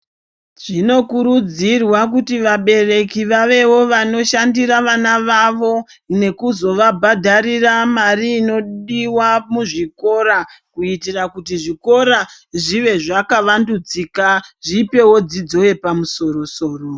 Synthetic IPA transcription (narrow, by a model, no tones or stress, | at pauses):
ʐ̥ino̞kuɾud͡zirwakutiʋaɓe̞re̞kiʋaʋe̞wo̞ʋano̞ʃandiɾaʋanaʋaʋo̞ | ne̞kuzo̞ʋabʱadʱaɾiramariːno̞ɗiwamuʐiko̞ɾakuitirakutiʐiko̞ɾa | ʐiʋe̞ʐakaʋandud͡ziːkaʐipe̞wo̞d͡zid͡zo̞je̞pamuso̞ɾo̞so̞ːro